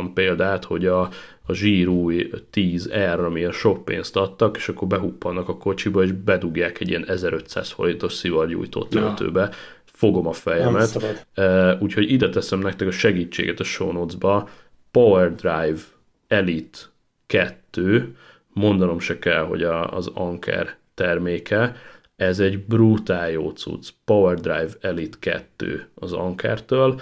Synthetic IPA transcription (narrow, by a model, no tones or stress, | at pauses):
mpeːld̪aːt̪ho̞ɟɒː | ʒiːɾuːjt̪iːzɛrɒmiɛnʃo̞pḛːnst̪ɒt̪ːɒkeːʃɒkːo̞rbɛɦupːɒnːɒkɒko̞t͡ʃibɒeːʒbɛd̪uɡjaːkɛɟiɛnɛzɛɾø̞t̪sa̰ːsfo̞̰lint̪o̞ʃsivɒrjṵːjt̪o̰ːt̪ø̰nt̪ø̰ːbɛ | fo̞ɡo̞mɒfɛjɛmɛt̪ː | uːcho̞ɟid̪ɛt̪ɛsɛmnɛk̚t̪ɛkɒʃɛɡiːt͡ʃːḛːɡɛt̪ɒʃo̰ːnoːd̪zbɒ | pɒwɛrd̪rajv | ɛlit̪ | kɛt̪ːøː | mo̞nd̪ɒno̞mʃɛkɛlɦo̞̰ɟɒ̰ːzɒŋkʰɛ̰rt̪ɛrmeːkʰɛ | ɛzɛɟbrut̪aːjo̰ːt̪sṵt̪spɒvɛrd̪ra̰jvɛlit̪kɛ̰t̪ːø̰ːɒzɒ̰ŋkʰɛ̰rt̪øːl